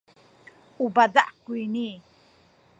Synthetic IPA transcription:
ubadaʔkuini

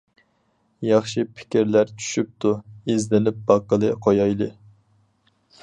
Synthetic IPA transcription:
jɑχʃipʰɪ̥kʲiɾlæɾt͡ʃʰy̥ʃyp̚t̪ʰuezlɪnɪp̚bɑqːəlˠɨqʰojɑjlˠɨ

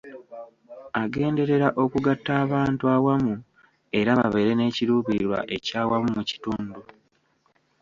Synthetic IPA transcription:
aɡe̞ːnde̞ɾe̞ɾaʔo̞kuɡatːaːβaːntuawamu | e̞ɾaβa̰βe̞ɾe̞ne̞ːciɾuːβiiɾwa̰ʔe̞caːwamumuci̥tuːndu

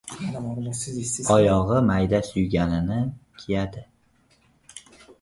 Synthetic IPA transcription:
ɒjɒʁɨmajd̪asʊjɡʲanɪnɪkʲʰijad̪ɪ

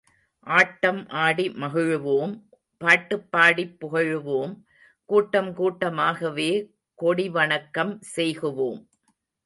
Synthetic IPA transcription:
ʔaːʈːɐmʔaːɽimɐɣɯɻɯʋoːm | paːʈːɯpːaːɽipːʊɣɐɻɯʋoːm | kuːʈːɐmkuːʈːɐmaːɣɐʋeː | kɔɽiʋɐɳɐkːɐmsɛjɣɯʋoːm

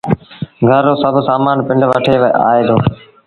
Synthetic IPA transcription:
ɡʱəɾːoːsəbʱsaːmaːnpɪɳɖʋəʈʰeːʋea̰ːeːd̪oː

